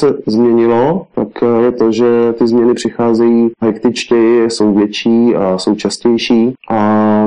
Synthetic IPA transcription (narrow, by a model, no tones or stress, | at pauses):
sɛzmɲɛɲɪlo̞t̪akjɛt̪o̞ʒɛt̪ɪzmɲɛnɪpr̝̥ɪxaːzɛjiːɦɛkt̪ɪt͡ʃcɛjɪsowvjɛt͡ʃiːaso̞wt͡ʃascɛjʃiːʔa